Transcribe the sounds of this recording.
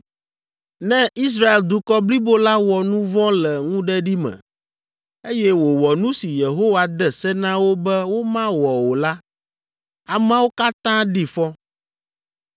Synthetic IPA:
nɛ̃˦i˦s̬ɾa˦e˨ld̪u˨kɔ˦bli˦bo˦la˦wɔ˨nũ˦vɔ̃˦lɛ˨ŋũ˦ɖɛ˦ɖi˦mɛ̰̃˨ | e˦jɛ˦wo˨wɔ˨nũ˦si˨je˨ɦo˦wa˨d̪ɛ˦sɛ˦nã˦wo˦bɛ˦wo˦mã˦wɔ˨wo˨la˦ | a˨mã˦wo˦ka˦t̪ã˦ɖi˨fɔ˦

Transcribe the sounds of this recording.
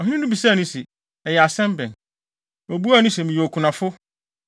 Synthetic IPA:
ɔ˨ɦĩ˦nĩ˦nũ˦bi˨saː˦˨nʊ̃˦sɛ˨ | ɛ˨jɛ˨a˨sɛ̃˦m˦bɛ̃˨n | o˨bu˦a˦nʊ̃˦sɛ˨mĩ˨jɛ˨ɔ˨kʰʊ˨nã˨fʊ˦

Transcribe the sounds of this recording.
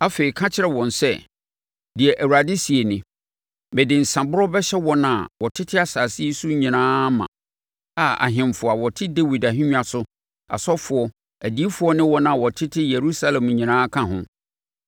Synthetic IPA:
a˦fe˨i˨kʰã˦t͡ɕʰɪ˦ɾɛ˨wɔ̃˨nsɛ˦˨ | di˨ɛ˨ʔæ˨wu˨a˨dɪ˦si˨e˨nɪ̃˨ | bɛ˨dɪ̃˨n̩˨sã˨bʊ˦ɾɔ˦bɛ˦ɕɛ˦wɔ˦nã˨wɔ˨tʰɪ˦tʰɪ˦a˨saː˨si˦su˦ɲĩ˨nãː˦mã̰˨ | a˨a̰˨ɦɪ̃˨m˨fʊ˨a˨wɔ˨tʰɪ˦de˦wi˨da˨ɦĩ˦ɲᶣ˦a˨sʊ˦ | a̰˨sɔ˦fʊ˨ɔ˦ | æ˨di˨˦e˦fʊ˦ɔ˦nɪ̃˦wɔ˦nã˦˨wɔ˨tʰɪ˦tʰɪ˦je˨ɾu˦sa˦lɛ̃˨mɲĩ˨nãː˦kʰã˦ɦʊ̰̃˦

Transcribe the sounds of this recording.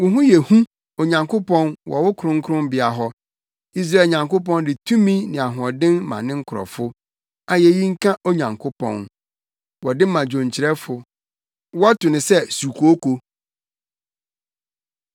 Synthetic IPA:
wʊ˨˦ɦʊ̃˦jɛ˨hũ˦ | o˨ɲã˨ŋkʰʊ˦pɔ̃˦nwɔ̰˨wʊ˦kʰʊ˨ɾʊ̃˦ŋ̩˦kʰʊ˦ɾʊ̃˦m˦bɪ˨a˨ɦɔ˦ | i˦s̬ɾa˦˨ɲã˨ŋkʊ˦pɔ̃˦n˦dɪ˨tʰũ˦mĩ˦nɪ̃˨a˨ɦʊ̃˨ɔ˨dɪ̃˦nmã̰˨nɪ̃˦ŋ̩˦kʰʊ˨ɾɔ̰˨fʊ˦ | a˦jɛ˨ji˦ŋ̩˦kʰã˦ʔo˦ɲã˨ŋkʰʊ˦pʰɔ̰̃˨n | wɔ˨dɪ˦mã˨d͡ʑõ˨ɲ˨t͡ɕʰɪ˨ɾɛ˦fʊ˨ | wɔ˦tʊ˨nɪ̃˨sɛ˦su˨kʰu˨o˦kʰo˦

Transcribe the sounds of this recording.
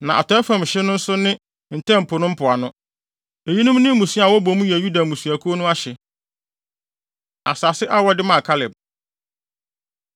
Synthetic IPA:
nã˨ʔa̰˨tʰɔ˨˦ɛ˦fã˨m˨ɕɪ˦nʊ̃˦n̩˦sʊ˦nɪ̃˦ | n̩˨tʰɛ̃˦m̩˨pʰʊ˨nʊ̃˦m̩˦pʰʊ˨a˨nʊ̃˦ | e˨ji˦nʊ̃˦m˦nɪ̃˦m̩˦mũ˨su˦a˨wɔ˦bo˨˦mũ˦ji˨æ˨ju˦da˨mũ˨su˨æ˨kʰo˦o˦nʊ̃˦a˦ɕɛ˨ | a̰˨sa˨sɪ˦ʔa˦wɔ˦dɪ˦mã˦˨kʰa˦lɪ˨b̚

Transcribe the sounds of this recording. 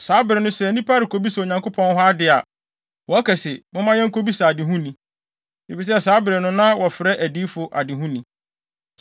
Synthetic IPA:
saː˨˦bɪ˨ɾɪ˨nʊ̃˦sɛ˦˨nĩ˦pʰa˦ɾɪ˨kʰo˦bi˦sɛ˨o˨ɲã˨ŋko˦pʰɔ̃˦nɦʊ˦a˦dɪ˨a˨ | wɔ˨æ˦kʰɛ˨sɪ˨mʊ̃˦mã˦jɛ˦ŋ̩˦kʰo˦bi˦sa˨a˨dɪ˨ɦũ˦nĩ˨ | e˨fi˨s̬saː˨˦bɪ˨ɾɪ˨nʊ̃˦nã˦wɔ˨fɪ˨ɾɛ˦ʔæ˨diː˦fʊ˨ʔa̰˨dɪ˨ɦũ˦nĩ˨

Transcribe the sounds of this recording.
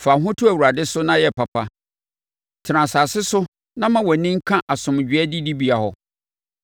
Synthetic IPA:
fa˨ɦʊ̃˦tʰʊ˦æ˨wu˨ɾa˨dɪ˦sʊ˦nã˦jɛ˨pʰa˨pʰa˦ | tʰɪ˨ɾã˨saː˨sɪ˦sʊ˦ | nã˦mã˦wɔ˨nĩ˦ŋ̩˦kʰã˦ʔa˨sʊ̃˨m˨d͡ʑᶣɪ˨˦ɛ˦di˦di˦bi˨a˨hɔ˨

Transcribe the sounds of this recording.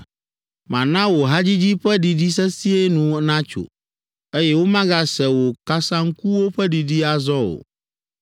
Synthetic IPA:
mã̰˨nã˦wo˨ɦa˦d͡ʑi˦d͡ʑi˦ɸɛ˦di˨di˦s̬ɛ˦si˦e˦nũ˨˦nã˦t͡ʃo̰˨ | e˦jɛ˦wo˦mã˦ɡa˨sɛ˨wo˨ka˦sã˦ŋ̩˦ku˦wo˦ɸɛ˦di˨di˦a˨zɔ˦wo̰˨

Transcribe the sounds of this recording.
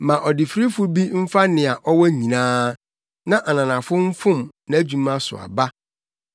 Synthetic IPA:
mã˨ʔɔ˨dɪ˨fɾi˦fʊ˦bi˦m̩˦fa˦nɪ̃˨a˨ʔɔ˦wɔ˦ɲĩ˨nãː˦ | nã˦ʔa˨nã˨nã˨fʊ˦m̩˦fʊ̃˦mnã˨˦æ˦d͡ʑᶣu˨mã˦sʊ̰˨a̰˨ba˦

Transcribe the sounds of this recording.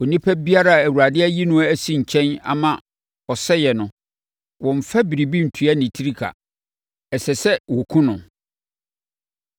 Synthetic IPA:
ɔ˨nĩ˦pʰæ˦bi˦a˦ɾa˦˨æ˨wu˨ɾa˨dɪ˦ɛ˦ji˦nʊ̃˦æ˦si˦ɲ̩˨t͡ɕʰɛ̃˦na̰˨mã˦ | ɔ˨sɛ˦jɛ˨nʊ̃˨ | wɔ̃˨ɱ̩˨fɛ˦bi˨ɾi˨bi˦n̩˨tʰu˨˦a˦nɪ̃˨tʰi˦ɾi˦kʰa̰˨ | ɛ˨sɛ˨sɛ˦wɔ˨kʰũ˦nʊ̃˨

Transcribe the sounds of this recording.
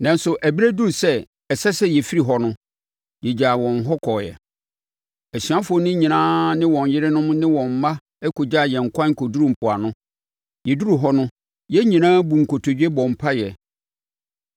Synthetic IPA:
nã˨n̩˦sʊ˨ʔæ˨bi˦ɾæ˦du˦ɾsɛ˦ | ɛ˨sɛ˦sɛ˦jɛ˨fi˦ɾi˨ɦɔ˨nʊ̃˦ | jɛ˨d͡ʑa˨wɔ̃˨nɦɔ˦kʰɔ˨jɛ̰˨ | æ˨sɥa˦fʊ˦ɔ˨nɪ̃˦ɲĩ˨nãː˦nɪ̃˦wɔ̃˨njɪ˦ɾɪ˦nʊ̃˦m˦nɪ̃˦wɔ̃˨m̩˨˦mã˦ | ɛ˦ko˨d͡ʑa˦˨jɛ̃˨ŋ̩˨kʷʰã˦ŋ̩˨kʰo˨du˦ɾũ˦m˨pʰʊ˨a̰˨nʊ̃˦ | jɛ˨du˦ɾu˨ɦɔ˦nʊ̃˦ | jɛ˦ɲĩ˨nãː˦bu˨ŋ̩˨kʰo˨tʰo˨d͡ʑᶣe˦bɔ̃˨m˨pʰa˦jɛ˨

